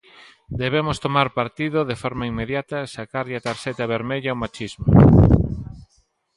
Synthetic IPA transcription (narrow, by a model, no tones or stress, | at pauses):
d̪eβemʊst̪omaɾpaɾt̪iðʊðefɔɾmaiŋmeðjat̪ɐʃakaɾʎat̪aɾʃɛt̪ɐβeɾmeʎɐwmat͡ʃizmo